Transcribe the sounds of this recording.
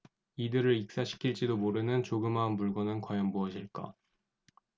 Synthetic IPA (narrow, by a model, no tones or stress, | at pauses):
idɯɾɯɭik̚s͈aɕʰi̥kʰiɭt͡ɕ͈idomoɾɯnɯnt͡ɕoɡɯmanpuɭɡʌnɯnkwajʌnmuʌɕʰiɭk͈a̰